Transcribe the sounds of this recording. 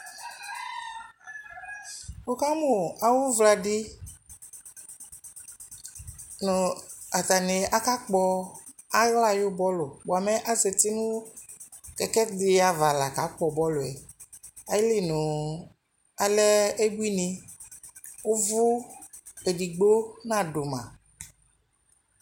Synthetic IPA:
o˦ka˦mʊ˨a˨wʊ˦vla˨dɪ˦ | nʊ˨a˨t̪a˨ne˨a˦ka˦k͡pɔ˦ | a˦ɣla˨jʊ˦bɔ˦lʊ˨bo˨a˨mɛ˦ʔa˦ze˨t̪i˦nũ˦ | kɛ˨kɛ˦dɪ˨a˨va˨la˨ka˨˦k͡pɔ˨bɔ˦lʊ˨ɛ˨ | a˨ji˦li˦nʊ̃˨ | a˨lɛ˦e˦bu˦i˦ni˨ | wo˦vʊ˦ | e˨di˨ɡ͡bo˦nã˦˨ɖʊ˨mã̰˨

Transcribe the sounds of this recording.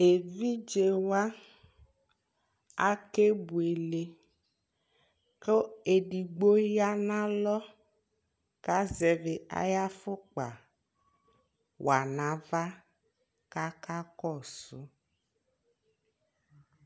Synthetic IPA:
e˨vi˦d͡ʒe˨wa˦ | a˦ke˦bu˨e˨le˨ | ke˦e˨ɖi˨ɡ͡bo˦ja˦nã˦lɔ˦ | ka˦zɛ˨ve˨a̰˦ja˦fʊ˦k͡pa̰˨ | wa˨nã˨va˦ | ka˦ka˦kɔ˦˨sʊ˦

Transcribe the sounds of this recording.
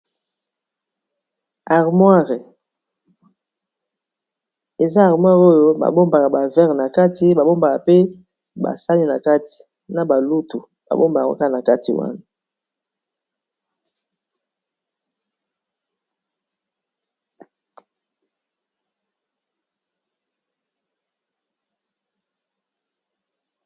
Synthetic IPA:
a˨ʁmwa˦ʁe˨ | e˨za˦a˨ʁmwa˦ʁo˦jo˦ba̰˨bo˦mba˨ka˨ba˨vɛ˦ʁna˨ka˦ti˨ba˨bo˦mba˨ka˨pe˦ | ba̰˨sa˦li˦na˨ka˦ti̥˨ | na˨ba˨lu˦tu˨ | ba̰˨bo˦mba˨ka̰˨ka˦˨na˨ka˦tʰḭ˨wa̰˦na˨

